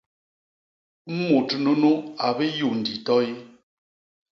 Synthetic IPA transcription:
m̩˦mo˨tno˦no˦a˨be˦ju˨n̩˨di˨tɔ˦i˦

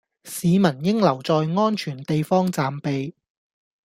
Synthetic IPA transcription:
siː˨˧mɐ˨˩njɪ˥ŋlɐ˨˩wt͡sɔː˨˧jŋɔː˥nt͡ʃʰyː˨˩nt̪e˨jfɔː˥ŋt͡saː˨mpe˨j

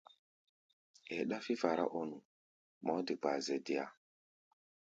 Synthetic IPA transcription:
ɛ˨ɗa˦fi˦va˨ɾa̰˦ʔɔ˦nu˨ | mɔ˨˦di˨ba˨zɛ˨di˨a̰˦˨

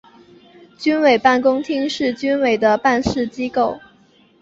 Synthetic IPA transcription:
t͡ɕy˥nwe˨˩ɪpa˥˩nkʊ˥ŋt̪ʰi˥ŋʂɻ̩˥˩t͡ɕy˥nwe˨˩ɪd̪ə˦pa˥˧nʂɻ̩˥˩t͡ɕi˥ko˥˩ʊ

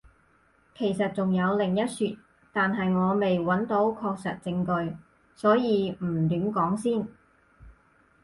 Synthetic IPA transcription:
kʰe˨˩jsɐ˨t̚t͡sʊ˨˩ŋjɐ˨˧wlɪ˨˩ŋjɐ˥t̚syː˨˩t̚ | t̪aː˨nɦɐ˨jŋɔː˨˧me˨jwɐ˨˥nt̪o˨˥wkʰɔː˧k̚sɐ˨t̚t͡sɪ˧ŋkɵ˧ɥ | sɔː˨˥jiː˨˧m̩˨˩t̪yː˨˥mkɔː˨˥ŋsiː˥˩n

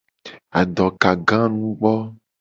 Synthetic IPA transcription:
a˨ɖɔ˨ka˨ɡã˦nũ˦ɡ͡bɔ˦

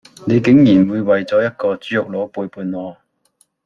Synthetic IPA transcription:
ne˨˧jkɪ˨˥ŋjiː˨˩nwuː˨˧jwɐ˨jt͡sɔː˨˥jɐ˥t̚kɔː˧t͡syː˨˥jʊ˨k̚lɔː˨˧˥puː˧jpuː˨˧nnɔː˨˧

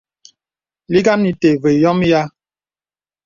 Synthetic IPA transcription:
li˦ɡa˦mni˨te˨ve˨jɔ˦m˦ja˦

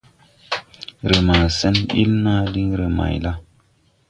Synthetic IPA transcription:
ɾə˨ma˨sɛ˦nḭ˦lna˦di˦ŋɾə˨ma̰˨jla˦

